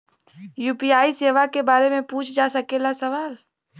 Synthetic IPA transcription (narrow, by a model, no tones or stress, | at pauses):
juːpiaːiseːʋakebaːɾemẽpũt͡ʃʰd͡ʒasəkelasəʋaːl